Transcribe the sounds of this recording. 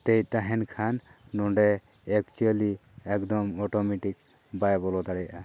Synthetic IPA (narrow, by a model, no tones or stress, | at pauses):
t̪ejt̪aɦɛnkʰanːɔɳɖɛ | ɛk̚t͡ʃuali | ɛkd̪ɔmɔʈɔmeʈik | bajbɔlɔd̪aɽɛjʔa